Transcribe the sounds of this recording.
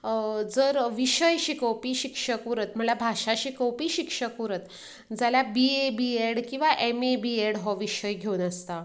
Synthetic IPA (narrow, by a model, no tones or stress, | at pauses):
d͡zəɾʋiɕəjɕikəwpiːɕikʂəkuɾət̪m̤əɳlabʱaʂaɕikəwpiːɕikʂəkuɾət̪ | d͡zaljabiebieɽkĩw̃ʋaʔemebieɽɦɔʋiɕəjɡʱeunəst̪a